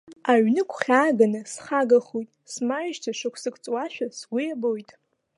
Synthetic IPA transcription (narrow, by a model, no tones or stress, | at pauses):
aɥnɨkʷʰχʲaːɡanɨsχaɡaχujtʼsmajʒtʰaʂɨkʷʰsɨkʰʼt͡sʼwaʃᶣasɡʷʊjabojtʼ